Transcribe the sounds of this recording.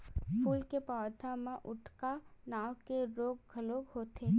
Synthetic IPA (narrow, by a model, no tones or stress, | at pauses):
pʰuːlkepɔːd̪ʰʱãmẽʔʊʈʰkanaːwkeɾoːɡ̚ɡʱəloːɡɦoːt̪eː